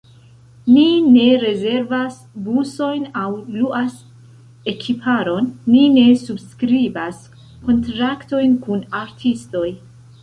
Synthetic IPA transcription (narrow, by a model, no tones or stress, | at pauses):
nine̞ɾe̞ze̞ɾvas | buso̞jnawluʔas | e̞kʰipʰaɾo̞nːine̞subskɾibas | ko̞ntɾakto̞jnkunaɾtʰisto̞j